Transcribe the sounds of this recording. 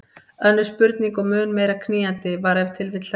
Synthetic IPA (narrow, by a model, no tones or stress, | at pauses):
œnːʏɾ̥spʏɾt̪niŋkɔmʏːnmejɾakʰniːjant̪ɪvaɾɛv̥t̪ʰɪlvɪt̪la